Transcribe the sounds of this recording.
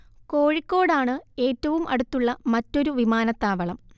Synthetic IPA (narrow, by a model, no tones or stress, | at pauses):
ko̞ːɻikːo̞ːɽaːɳɨe̞ːtːɐʋumʔɐɽut̪ːuɭːɐmɐtːo̞ɾuʋimaːnɐt̪ːaːʋɐɭɐm